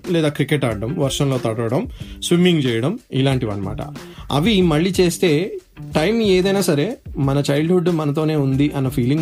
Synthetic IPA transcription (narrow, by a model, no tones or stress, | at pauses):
lɛːd̪aːkɾikeʈaːɽːɐmʋɐɾʂɐnlo̞ːt̪ɐɽɐɾɐɽɐmsʋimiŋɡt͡ʃɛːjɐɽɐmilaːɳʈiʋɐ̰nːɐma̰ːʈɐ̰ɐ̰ʋimɐɭːiːt͡ʃe̞ːst̪e̞ː | ʈɐjmeːd̪ɐjnaːsɐɾe̞mɐnɐt͡ʃɐjɭɖɦuɖːmɐnɐt̪̬o̞ːne̞ːund̪iʔɐnːɐpʰiːliŋ